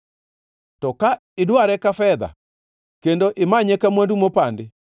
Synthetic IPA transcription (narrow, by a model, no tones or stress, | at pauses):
tɔka | edoaɾɛkafɛða̰ | kendoʔemaɲɛkɛmwɛndumopande